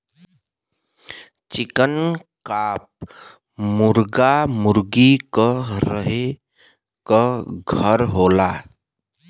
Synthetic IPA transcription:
t͡ʃɪkənkap̚ | mʊɾɡamʊɾɡikəɾəɦe | kəɡʱəɾɦola

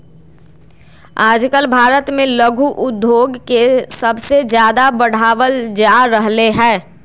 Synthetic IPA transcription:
aːd͡ʒkəlbʱaːɾət̪mẽləɡʱuʔʊd̪joːɡkesəbsed͡ʒjaːd̪abəɽ̤aːʋəld͡ʒaːɾəɦleɦɛ̃ː

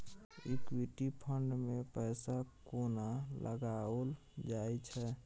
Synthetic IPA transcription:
ikwiʈipʰəɳɖmẽpɛːsakonalʔə̰ɡaəl | d͡ʒaːjt͡ʃʰɛ

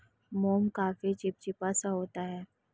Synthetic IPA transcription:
moːmkaːfit͡ʃɪp̚t͡ʃɪpasaɦoːt̪aɦɛː

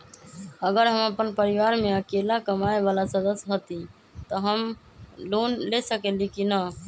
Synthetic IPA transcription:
əɡəɾɦəməpənpəɾɪʋaːɾmẽəkelakəmaeʋaːlasəd̪əsɦət̪i | t̪əɦəm | loːnlesəkelikinə

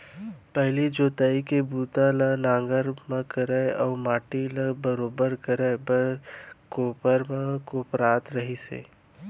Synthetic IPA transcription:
pɛɦlid͡ʒoːt̪əːikebuːt̪alənãːŋɡəɾmə̃kəɾeɔːmaːʈiləbəɾoːbəɾkəɾebəkoːpəɾmẽkoːpɾaːt̪ɾəɦisḛː

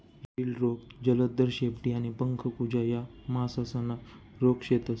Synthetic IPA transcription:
ɾilɾoɡd͡ʑələd̪əɾɕepʈiañipəŋkʰəkud͡ʑajamasasənːa | ɾokɕet̪as

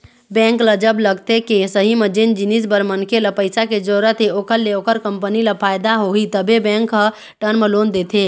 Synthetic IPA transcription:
bɛ̃ŋkləd͡ʒəbləɡt̪ekesəɦimed͡ʒend͡ʒinisbəɾmənkʰeləpəjsaked͡ʒoɾət̪ʰeokəɾleokəɾkəmpəniləpʰajd̪aɦoɦit̪əbebɛ̃ŋk | ʈənmelond̪et̪ʰe

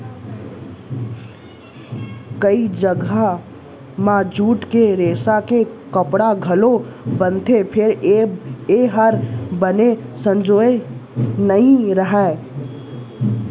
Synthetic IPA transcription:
kəid͡ʒəɡʱa | mad͡ʒuːʈkeɾeːsakekəpɽaɡʱəlobənt̪ʰepʰɪɾ | eɦəɾbənesə̃nd͡ʒoːenəɦĩɾəɦɛ

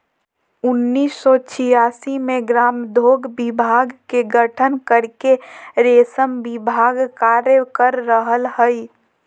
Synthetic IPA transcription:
ʊnːiːsːɔt͡ʃʰijasimeɡɾaːmd̪ʱoːɡbibʱaɡkeɡəʈʰənkəɾkeɾesəmbɪbʱaɡkaɾjəkəɾːəɦəlhəi

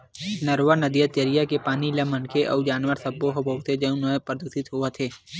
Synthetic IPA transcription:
nɐɾʋənɐd̪ijət̪t͡ʃəɾijakepaːnilamɐnkʰeʔɔ̰ːd͡ʒaːnʋəɾsɐbːoɦoboːt̪ʰed͡ʒɐũnəpɾəd̪uːsɪt̪ɦoat̪ʰeː

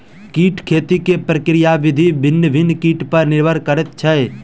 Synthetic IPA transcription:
kiːʈkʰeːt̪ikepɾəkɾɪjaʋɪd̪ʱibʱɪnːəbʱɪnːkiːʈpəɾnɪɾbʱəɾkəɾət̪̚t͡ʃʰɛe

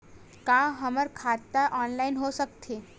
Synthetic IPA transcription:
kãɦəməɾkʰat̪ːaʔɔːnlainɦosək̚t̪ʰe

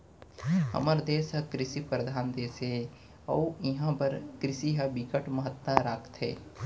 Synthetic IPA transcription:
ɦɐ̰məɾd̪eːsɦɐkɾɪsipɾəd̪ʱaːnd̪eːsɦe | ɐwɪɦãpəɾkɾɪsiɦɐbikəʈməɦət̪ːaɾaːkʰt̪ɦɛ̰ː

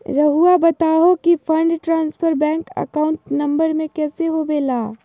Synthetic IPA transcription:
ɾɐɦuabɐt̪aːɦokifʰɐ̃ɳɖʈɾãːnspʰəɾbɛ̃ːŋkɐ̰kaːʊ̃ɳʈnɐ̃mbəɾmẽkɛːseɦobeːlaː

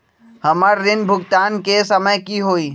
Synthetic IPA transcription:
hɐməɾːɪnbʱʊɡt̪aːnkesəməjkiɦoːiː

